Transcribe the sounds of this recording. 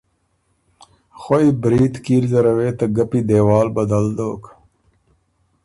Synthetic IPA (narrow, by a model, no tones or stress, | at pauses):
xoibɾiːt̪kiːɾzɐɾɐweːt̪ɐɡɐpid̪eːwaːlbɐd̪ɐld̪oːk